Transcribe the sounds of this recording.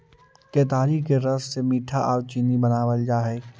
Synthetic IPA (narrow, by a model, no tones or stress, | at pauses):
keːt̪aːɾikeɾɐssemiːʈʰaʔaːɾt͡ʃinibɐnaːʋəld͡ʒaːɦeː